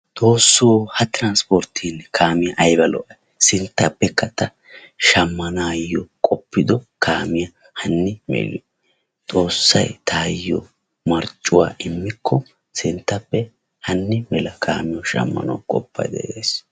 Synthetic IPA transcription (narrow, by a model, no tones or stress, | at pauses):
t̪ʼo̞ːsːoːhɐt̪ɪɾɐnspoɾt̪ʰinkʰaːmɪjɐʔɐjbɐlɔ̰ʔɐ | sɪnt̪ːɐpːɛkːɐt̪ːɐ | ʃɐmːɐnaːjːɔkʼɔpːɪd̪ɔkʰaːmɪjɐ | hɐnːɪmḛːlɪ | t̪ʼo̞ːsːɐ̰jt̪ʰaːjːɔ̰ | mɐɾt͡ʃʼːʊwa̰ːʔɪmːɪkʰːɔ | sɪnt̪ːɐpːɛ | hɐnːɪmɛlɐkʰaːmɪjɔʃɐ̰mːɐ̰nɐ̰wkʼɔpːɐ̰jd̪ɛ̰ʔḛːs